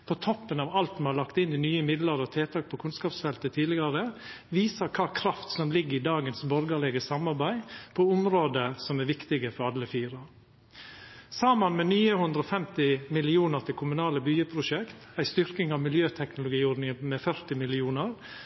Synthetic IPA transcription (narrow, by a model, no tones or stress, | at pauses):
pʰoːt̪ʰɔpːənɑːʋɑlt̪ɛhɑlɑkt̪ɪnɪnyːəmɪd̪ləɾɔt̪ʰeːt̪ʰɑːk̚pʰɔkʰʉnskɑːpsfɛlt̪ət̪ʰiːlɪɡɑɾə | ʋiːsəkʰɑːkʰɾɑft̪sɔmlɪɡːəɪd̪ɑːɡənsbɔɾɡəɭɛɡəsɑmɑɾbæɪpʰoʊmɾoːd̪əsɔmæɾʋɪkt̪ɪɡəfɔɾɑlːəfiːɾɑ | sɑːmənmɛnyːəhʉnd̪ɾəɔfɛmt̪ɪmɪlɪuːnəɾt̪ʰɪlkʰʊmʉnɑːləbyːəpʰɾʊʃɛkt̪æɪst̪ʏɾkɪŋɑʋmɪljøːt̪ʰɛknʊlʊɡiːɔɾnɪŋəmɛfœɾt̪ɪmɪlɪuːnəɾ